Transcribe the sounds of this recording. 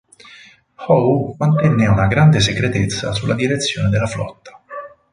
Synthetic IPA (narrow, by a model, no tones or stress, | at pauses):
hɔwmant̪ɛnːeunaɡɾand̪es̬ekɾet̪et̪sːa̰sulːʔad̪iɾet̪sːjo̰ːned̪elːaflɔ̰t̪ːḁ